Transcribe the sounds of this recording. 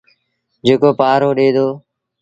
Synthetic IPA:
d͡ʒeːkoːpaːɾoːɗeːd̪oː

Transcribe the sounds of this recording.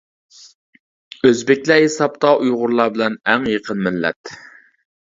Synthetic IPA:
øzbɪkʲlɛɦesɑpt̪ʰɑʔujʁʊɾlˠɑbɪlɛnæŋjəqʰənmɪlːɛ̰t̪

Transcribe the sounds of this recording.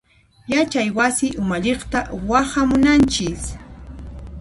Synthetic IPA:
jat͡ʃajwasɪʔʊmaʎeχt̪awahamʊnant͡ʃɪs

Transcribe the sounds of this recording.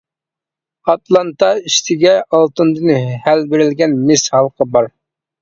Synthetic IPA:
ɑt̪lˠɑnt̪ɑiʃt̪ʰɪɡʲɛɑlˠt̪ɨnd̪ɨnɨhælbeɾɪlɡʲɛnmɪshɑlˠqʰəbɑɾ

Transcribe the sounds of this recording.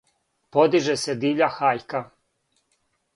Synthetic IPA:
po̞d̪iʒesed̪iːʎʲaxaːʎka

